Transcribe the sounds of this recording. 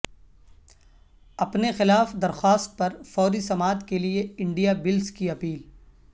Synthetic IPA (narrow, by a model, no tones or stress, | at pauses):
ɐpnexɪlaːfd̪ɐɾxaːst̪̚pɐɾfɔːɾisɐmaːt̪kelieɪ̃ɳɖijabɪlskiɐpiːl